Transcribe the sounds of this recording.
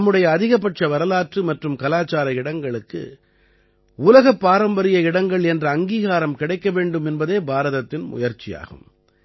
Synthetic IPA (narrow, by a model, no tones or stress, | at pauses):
mːɯɽɐjɐːðɪɣɐp̬ːɐʈ̚t͡ʃɐʋɐɾɐlaːʈrɯmɐʈrɯmkɐlaːt͡ʃaːɾɐɪɽɐŋɡɐɭɯkːɯ̰ | ʊːlɐɣɐpːaːɾɐmbɐɾɪjɐɪɽɐŋɡɐɭɛndrɐːŋɡiːɣaːɾɐmkɪɽɐɪkːɐʋeːɳɖɯmɛnbɐðeːbaːɾɐðɐt̪ːɪnmʊ̰jɐɾt͡ʃɪja̰ːɣɯ̰m